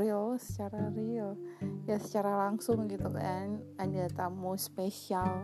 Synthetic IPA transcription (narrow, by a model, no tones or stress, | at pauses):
ɾiosə̥t͡ʃaɾariojasə̥t͡ʃaɾalaŋsʊŋɡit̪ukaʔanadat̪amospesial